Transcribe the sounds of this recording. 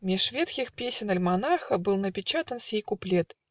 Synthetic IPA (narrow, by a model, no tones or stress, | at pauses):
mʲɪʂvʲet̪kʲɪxpʲesʲɪnɐlʲmanaxəbɨlˠnəpʲɪt͡ɕat̪ənsʲejkʊplʲɛt̪